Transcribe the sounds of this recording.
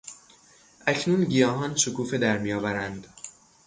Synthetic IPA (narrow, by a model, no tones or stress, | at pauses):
ʔæcʰnuːnɟijɒːɦɒːnʃokuːfed̪æɾmijɒːvæɾænd̪